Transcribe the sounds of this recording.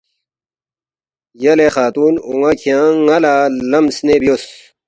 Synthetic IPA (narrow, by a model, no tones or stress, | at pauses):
jɐlexaːt̪uːnuŋakʰijãːŋɐlalɐmsnebijos